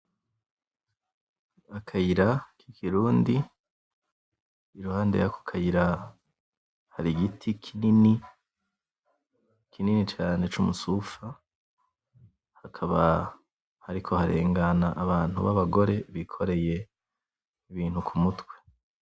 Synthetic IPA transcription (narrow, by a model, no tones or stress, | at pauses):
akʰajiɾakikʰiɾuːndi | iɾuhaːndejakʰo̥kʰajiɾa | haɾiɡitʰikʰinini | kʰininit͡ʃaːne̞t͡ʃumusufa | hakʰaβa | haɾikʰo̞haɾe̞̰ːŋɡanaʔːβaːn̥huβaβaɡo̞ɾe̞βikʰo̞ɾe̞je̞ | iβiːnhukʰumutwe̞̥